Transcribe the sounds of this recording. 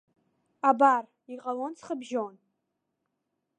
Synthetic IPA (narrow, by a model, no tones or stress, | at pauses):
abar | iqʼalont͡sʰχəbʒon